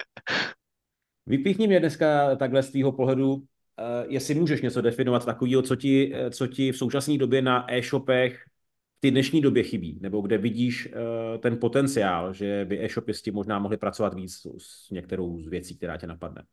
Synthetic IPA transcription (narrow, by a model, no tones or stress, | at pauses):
vɪpjɪxɲɛmɲɛdnɛskat̪aɡɦlɛst̪viːɦo̞po̞ɦlɛdu | jɛsɪmuːʒɛʃɲɛt͡so̞dɛfɪno̞vat̪t̪akoviːɦo̞t͡so̞cɪt͡socɪfso̞wt͡ʃasniːdo̞bjɛnaʔɛːʃo̞pɛx | ft̪ɪdnɛʃɲiːdo̞bjɛxɪbḭːnɛbo̞ɡdɛvɪɟiːʃt̪ɛnpo̞t̪ɛnt͡sɪaːlʒɛvɪʔɛːʃo̞pjɪscɪmoʒnaːmo̞ɦlɪpɾat͡so̞vat̪viːt͡ss | ɲɛk̚t̪ɛɾo̞wzvjɛt͡siːkt̪ɛɾa̰ːcɛnapadnɛ̰